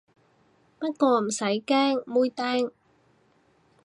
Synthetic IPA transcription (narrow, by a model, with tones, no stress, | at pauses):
pɐ˥t̚kɔː˧m̩˨˩sɐ˨˥jkɛː˥ŋmuː˧jt̪ɛː˥ŋ